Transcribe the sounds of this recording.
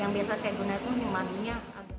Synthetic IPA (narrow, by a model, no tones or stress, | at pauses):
jaŋbiasasajaɡunaak̪und̪ɪŋmaniɲaa